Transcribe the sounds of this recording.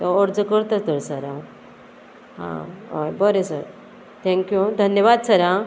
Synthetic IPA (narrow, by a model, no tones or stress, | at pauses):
əɾd͡zəkəɾt̪at̪əɾsəɾã | ɦã̰o̰jbəɾẽsə̰ɾ | t̪ʰɛ̃ŋkjud̪ʱənjəʋad̪səɾã